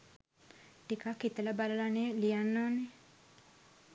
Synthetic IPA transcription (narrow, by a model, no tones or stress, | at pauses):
ʈikakːit̪ələbaləlaneːlijanːoːne